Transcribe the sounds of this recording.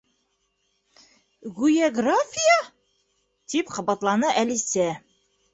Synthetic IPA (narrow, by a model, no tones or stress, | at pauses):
ʁujaɡrafʲija | t̪ipqɑ̆bɑt̪lˠɑnɤʔælisæ